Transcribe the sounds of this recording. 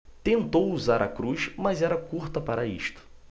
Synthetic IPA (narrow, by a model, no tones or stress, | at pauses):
t̪ẽnt̪owuzaɾʔɐ̰kɾuʃmɐzɛɾɐkuɾt̪ɐpaɾɐḭʃt̪ʊ̥